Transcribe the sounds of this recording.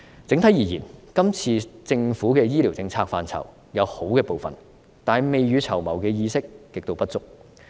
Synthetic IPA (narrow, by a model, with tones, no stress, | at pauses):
t͡sɪ˨˥ŋt̪ʰɐ˨˥jiː˨˩jiː˨˩nkɐ˥mt͡sʰiː˧t͡sɪ˧ŋfuː˨˥kɛː˧jiː˥liː˨˩wt͡sɪ˧ŋt͡sʰaː˧k̚faː˧nt͡sʰɐ̰˨˩w | jɐ˨˧who˨˥wkɛː˧po˨wfɐ̰˨n | t̪aː˨nme˨jɥyː˨˧t͡sʰɐ˨˩wmɐ̰˨˩wkɛː˧jiː˧sɪ˥kːɪ˨k̚t̪o˧wpɐ˥t̚t͡sʊ˥k̚